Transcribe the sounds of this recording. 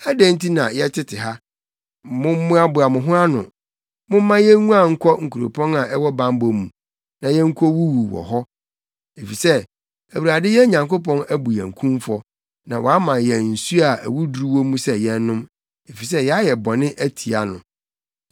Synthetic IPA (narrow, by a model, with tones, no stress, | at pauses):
æ˦dæ̃˦n̩˦ti˦nã˨jɛ˦t͡ɕʰɪ˦tʰɪ˨ɦa˦ | mʊ̃˦m˦mʊ̃˦a˦bʊ˨a˨mʊ̃˨ɦʊ̃˦a˦nʊ̰̃˨ | mʊ̃˦m˦mã˦jɛ˦ŋũ˦a˨ŋ̩˦kʰɔ˦ŋ̩˨kʰu˨ɾo̰˨pʰɔ̃˦na˨ʔɛ˦wɔ˦bã˦m˦bɔ˨mũ˨ | nã˨jɛ˦ŋ̩˦kʰɔ˦wu˦wu˨wɔ̰˨ɦɔ˦ | e˨fi˨sɛ˦ | æ˨wu˨ɾa˨dɪ˦jɛ˦ɲã˨ŋko˦pɔ̃˦næ˦bu˨jɛ̃˨ŋ̩˨kʰũ˦mfɔ˦ | nã˨wɔ˨a˦mã˨jɛ˨n̩˨su˦a˨æ̰˨wu˦du˨ɾu˦wo˦mũ˦sɛ˦jɛ̃˦˨n˦nʊ̃˦m | e˨fi˨s̬ɛ˦jɛ˨˦a˦jɛ˨bɔ˨nɪ̃˦ʔæ˦tʰi˨a˨nʊ̰̃˨